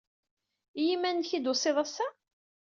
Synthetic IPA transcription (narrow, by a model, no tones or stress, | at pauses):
jimːænçid̪ʊsˤeðˤæsːa